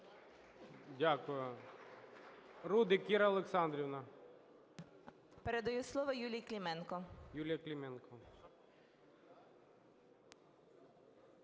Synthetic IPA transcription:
dʲakʊjʊ | ɾud̪ɪkiɾɐɐlˠeksɑnd̪ɾʲiwnɐ | peɾed̪ɐjuslˠɔʋɐjulʲijklʲimɛnkɔjulʲjɐklʲimɛnkɔ

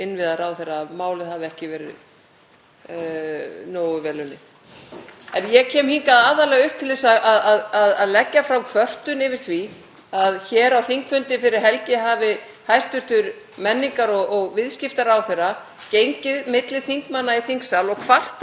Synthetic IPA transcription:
ɪnvɪðaɾawθɛrːamaːwlɪðhavɛhcɪvɛːɾɪ̰ | noːwʏvɛːlʏnːɪ̰ | ɛnjɛcʰɛːmhiŋkaðaːðaɾlɛɣaʏhp̚t̪ʰɪlðɛsaaðaðaðaðlɛcːafɾawkʰvœr̥t̪ʏnɪvɪɾ̥θvi | aðçɛːɾawθiŋkfʏnt̪ɪfɪɾɪɾ̥ɦɛlcɪɦaːvɪ | hajst̪vʏɾ̥t̪ʏɾ | mɛnːiŋkaɾɔɣɔɣvɪðscɪft̪aɾawθerːa | cejɲcɪðmɪt̪lɪθiŋkmanːaiθiŋksalɔɣkʰvar̥t̪

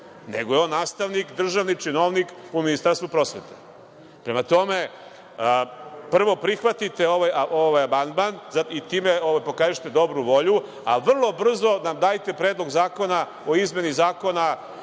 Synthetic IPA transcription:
neɡojeo̞nːaːst̪aʋnikd̪r̩ʒaʋnit͡ʃinoʋnikuminist̪aɾst̪vupɾo̞sʋe̞̰t̪e̥ | pɾe̞mat̪o̞me̞ | pr̩ʋo̞pɾixʋat̪it̪e̞o̞ʋajaʔoʋajamand̪manzait̪iːmeoʋajpo̞kaːziʃt̪ed̪o̞bɾuʋo̞ʎu | a̰ʋr̩lˠo̞br̩zo̞namd̪aːjt̪e̞pɾe̞ːd̪lˠo̞ɡzaːko̞na | o̞izme̞nizaːko̞na

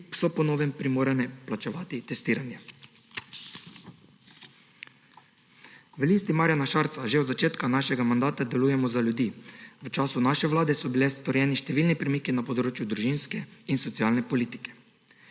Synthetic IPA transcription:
sɔpɔnoːʋɛmpɾimoːɾanɛplat͡ʃɛʋaːt̪it̪ɛst̪iːɾanja | ʋəlist̪imaːɾjanaʃaɾt̪saʒeɔd̪zat͡ʃeːt̪kanaːʃɛɡamand̪aːt̪ad̪ɛlujɛmɔzalʲjud̪iːʋət͡ʃaːsunaʃɛʋlaːd̪ɛsɔbilɛst̪ɔɾjɛːniʃt̪ɛʋilnipɾɛmiːkinapɔd̪ɾoːt͡ʃjud̪ɾuʒinskɛinsɔt̪siaːlnɛpɔliːt̪i̥kɛ̥

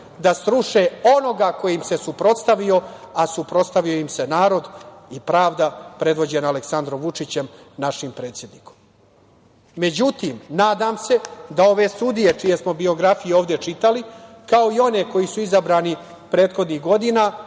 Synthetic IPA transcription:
d̪asɾuʃeo̞no̞ɡaːko̞jimse̞supɾo̞t̪st̪aʋio̞asupɾo̞t̪st̪aʋio̞imse̞naːɾo̞d̪ipɾaːʋd̪apɾe̞d̪ʋo̞d͡ʑe̞naaleksand̪ɾo̞mʋut͡ʂit͡ɕem | naʂimpɾe̞ːt̪sjed̪niko̥m | e̞d͡ʑut̪imnaːd̪aːmse̞d̪ao̞ʋe̞st̪ud̪ije̞t͡ʃije̞smo̞bio̞ɡɾafijoːʋd̪et͡ʂit̪ali | kao̞io̞ne̞ko̞jisuizabɾaːni | pɾe̞ːt̪xo̞d̪niɣɡo̞d̪inaː

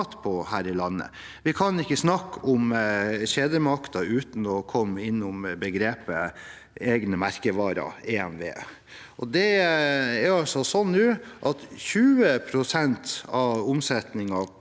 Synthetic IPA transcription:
t̪pʰɔhæːɾɪlɑnːə̰ | ʋɪkʰɑnɪkːəsnɑkːʊmɕeːd̪əmɑkt̪ɑʉːt̪n̩ɔkʰɔmːɪnːʊmbəɡɾeːpə | eːɡnəmæɾkəʋɑːɾɑ̰eːɛmʋḛː | ʔɔd̪ɛ | æɾɑlsɔsɔnːʉːʔɑt̪çʉːəpʰɾʊsɛnt̪ɑʊmsɛt̪nɪŋɑ

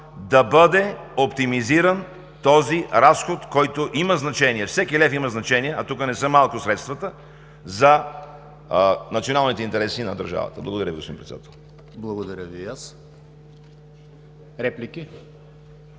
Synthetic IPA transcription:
d̪ɐbɤd̪ɛopt̪imiziɾən | t̪ɔziɾasxot̪kɔjt̪oʔimɐznɐt͡ʃɛniɛfsɛkilɛfimɐznɐt͡ʃɛniɛʔɐt̪ukənɛsəmalˠkʊsɾɛt̪st̪vɐt̪ə | zɐ | nɐt̪sionalˠnit̪ɛint̪ɛɾɛsinɐd̪ɐɾʒa̰və̰t̪əblˠɐɡod̪ɐɾʲəviɡospod̪ḭ̃npɾɛt̪sɛd̪a̰t̪ʰɛlˠ | blˠɐɡod̪ɐɾʲəvias | ɾɛplikʲi

